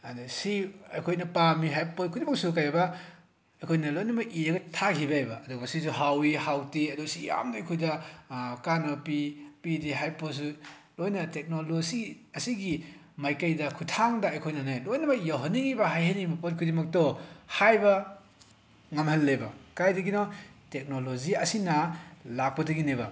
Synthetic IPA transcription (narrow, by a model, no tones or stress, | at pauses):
adsiɐjkʰojnɐpamiɦajpokʰudimɐk̚sukajabɐ | ɐjkʰojnɐlojnɐbɐʔijaɡɐtʰakʰibaajbɐːdɔɡɐsisuɦawihawtiɐdɔsija̰mnɐːjkʰojdɐkanɐpipidiɦajpos̬u | lojnɐtek̚nolozi | ɐsiɡi | majkɐjdɐkʰutʰaŋdɐɐjkʰojnɐnajlojnɐbɐijawɦɐniŋibɐɦajhanimɐpɔtkʰudimɐk̚tɔhajbɐ | ŋɐmhɐlːebɐkajdɐɡinɔtek̚noloziɐsinɐlak̚pɐdɐɡinebɐ